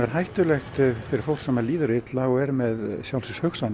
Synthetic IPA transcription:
ɛɾ̥ɦajht̪ʏlɛxt̪fɪɾɪɾ̥fowlksamaliːðʏɾɪt̪laɔɛɾmɛðsjawlsʏshœxsan

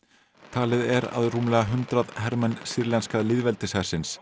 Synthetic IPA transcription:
t̪ʰaːlɪðɛɾa̰ðruːmlɛɣaɦʏnt̪ɾaðhɛɾmɛnsiɾlɛnskaðlɪðvɛlt̪ɪsɛr̥sɪns

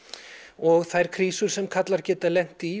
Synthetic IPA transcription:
ɔɣθajɾ̥kʰɾiːsʏɾ̥sɛmkʰat̪laɾcɛːt̪alɛn̥t̪i

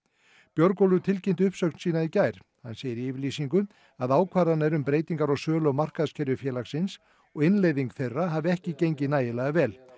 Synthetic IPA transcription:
pjœɾkowlʏt̪ʰɪlcen̥t̪ʏhpsœknsiːnaicajɾ̥ | ha̰nseːjɪɾiɪːvɪɾliːsiŋkʏ | aðaːwkʰvaːɾanːɛɾʏmpɾeːjt̪iŋkaɾɔɣsœːlɔmar̥kaðscʰɛɾjʏfjɛːlaxsɪns | ɔɣɪnleːjðiŋkθejrːaɦaːvɪɛhcɪcejɲcɪnaːjɪlaɣavɛːl

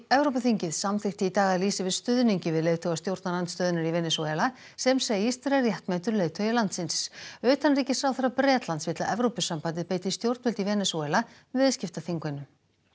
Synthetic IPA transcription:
ɛvɾowpʏθiɲcɪðsamθɪhxt̪ɪit̪aːɣaðliːsɪvɪðst̪ʏðniɲcɪvɪðleːjðt̪ʰowɣast̪jowɾt̪nalant̪st̪œːðɪnaɾivɛːnɛsuɛla | sɛmseːjɪst̪ɪɾɛrjɛht̪mɛt̪ʏɾlejðt̪ʰœɥjalant̪sɪnsœːt̪anriːcɪ̥sawθaɾapɾɛːt̪lant̪svɪt̪laʔɛvɾowpʏsampant̪ɪðpeːjt̪ɪst̪jowɾt̪vɛlt̪ivɛːnɛsuɛla | vɪðscɪft̪aθiŋkɪnʏm

